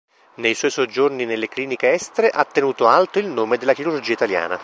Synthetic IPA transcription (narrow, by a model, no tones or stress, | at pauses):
nejswɔjsod͡ʒːorninelːekliːnikeɛst̪eɾeʔat̪ːenuːt̪oalt̪oilnoːmed̪elːakiɾurd͡ʒiːait̪alja̰ːna̰